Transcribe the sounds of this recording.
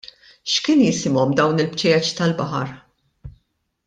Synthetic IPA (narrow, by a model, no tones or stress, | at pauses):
ʃkɪːnjɪsɪmɔmd̪ɐwnɪlpt͡ʃɛjɐt͡ʃi̥t̪ɐlbɐħɐ̰ɾ